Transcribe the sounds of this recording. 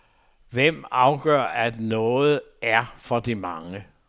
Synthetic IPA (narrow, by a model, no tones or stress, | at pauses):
ʋem̰ɑ̈ʊɡ̥ɶ̰ɐ̰æd̥nɔ̽ːð̩ˠæɐfɒ̽d̥imɑ̈ŋə